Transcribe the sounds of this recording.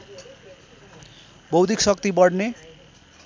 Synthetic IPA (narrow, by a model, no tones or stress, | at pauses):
bʌwd̪ʱiksʌk̚t̪ibʌɽne